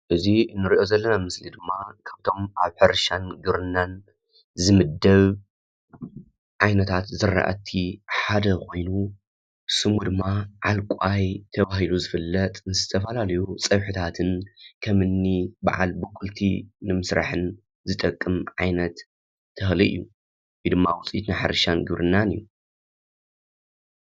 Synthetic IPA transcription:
ʔɨzinːɨɾiʔo̞zɐlːɐnamɨslid̪ɨmːakʰaβt̪ʰo̞mʔaβħɨɾʃanɡɨɾɨnːan | zɨmɨd̪ːɐβ | ʕajnɐt̪ʰat̪zɨrːa̰ʔa̰t̪ʰiħad̪ɐkʰo̞jnu | sɨmud̪ɨmːaʕalkʷʼajt̪ʰɐβahiluzɨfɨlːɐt̪ʼnɨzɨt̪ʰɐfɐlalɐjut͡sʼɐβħɨt̪ʰat̪ʰɨnkʰɐmɨnːiba̰ʕa̰lbɨkʼult̪ʰḭnɨmɨsɾa̰ħɨn | zɨt̪ʼɐkʼːɨmʕajnɐt̪ʰː | ɨxliʔɨ̰jːu | jɨd̪ɨmːawʊt͡sʼḭt̪naħa̰ɾɨʃanɡɨβɾʔɨnːanijːu

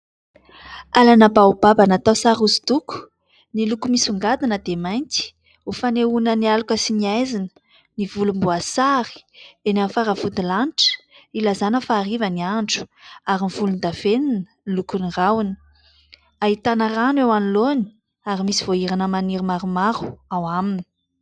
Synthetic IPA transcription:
alanəbawubabanat̪awsaɾuzid̪uku̥ | nilukumisuŋɡad̪inəd̪emajnt̪i̥ | ufaneunənialukəsiniajzinə̥ | nivulumbuasaɾi̥enamfaɾəvud̪ilanʈ͡ʂə̥ | ilazanəfaːɾivəniaɳɖ͡ʐu̥aɾimiv̥ulund̪av̥eninənilukunirawni̥ | aɦit̪anəranewaniloni̥ | aɾimisiv̥oiɾanəmaniɾimaɾumaɾu̥awamini̥

